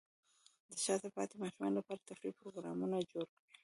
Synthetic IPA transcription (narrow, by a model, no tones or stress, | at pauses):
d̪əʃɑt̪epɑ̰t̪emɑʃumɑ̰nlapɑɾat̪afɾib̚pɾoɡɾɑ̰munad͡ʒoɾkwi